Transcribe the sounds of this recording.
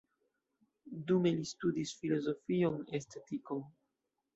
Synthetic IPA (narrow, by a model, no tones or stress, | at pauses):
dume̞listudisfilo̞zo̞fionestetikon